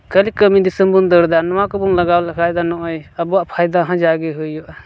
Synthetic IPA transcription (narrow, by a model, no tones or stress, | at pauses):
kəlikəmid̪isɯmbund̪əɾd̪anɔwakɔbuŋlaɡawlakʰajd̪anɔʔɔjəbuwaʔpʰajd̪aɦãd͡ʒaɡeɦujɔʔ